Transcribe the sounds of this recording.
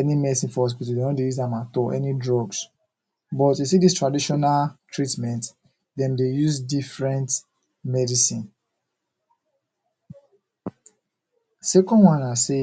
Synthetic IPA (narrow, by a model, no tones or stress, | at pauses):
ɛnimɛsĩfɔɔs̬pitidewɔ̃ndejuzãmãtɔʔɛnidɹɔɡs | bɔtes̬idistɹadiʃɔnaltʰɹitmɛ̃nt | dɛ̃mdejuzdifɹɛ̃nt | mɛdisĩn | sɛkɔ̃nwãnase